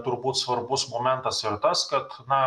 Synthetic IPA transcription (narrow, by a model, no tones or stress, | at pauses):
t̪ʊɾbuːt̪sʋɐɾbʊsmoːmʲɛnt̪ɐsɪɾt̪ɐskɐt̪nɐ